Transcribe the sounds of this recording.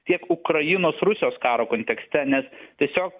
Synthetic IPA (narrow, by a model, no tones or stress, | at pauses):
t̪ʲiɛkʊkɾɐjɪnoːsɾʊsʲɪjoːskɑːɾoːkoːnt̪ʲɛksʲt̪ʲɛnʲɛstʲiɛsʲoːk̚